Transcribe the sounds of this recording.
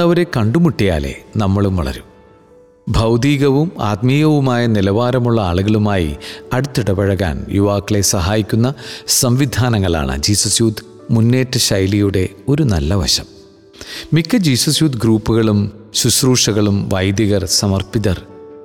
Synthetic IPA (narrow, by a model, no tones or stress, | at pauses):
ɐʋɐɾe̞kɐɳɖumuʈːija̰ːlḛnɐmːɐɭumʋɐ̰ɭɐ̰ɾum | bʱɐwd̪iːɣɐʋuma̰ːt̪miːɣɐʋumaːjɐnilɐʋaːɾɐmuɭːɐaːɭuɣɐɭumaːjḭɐɽut̪ːiɽɐpɐɻɐɣa̰ːnjṵʋaːkːɐɭe̞sɐɦaːjikʲːunːɐsɐmʋid̪ʱaːnɐŋːɐɭa̰ːɳɨ̰d͡ʑiːsɐsjuːd̪ | munːe̞ːʈːɨɕɐjlijuɽe̞ | o̞ɾunɐlːɐʋɐ̰ɕɐ̰m | mikːɨd͡ʑiːsɐsjuːd̪ɡɾuːpːuɣɐɭumsusruːʂɐɣɐɭumʋɐjd̪jɐɣɐrsɐmɐrpiðɐr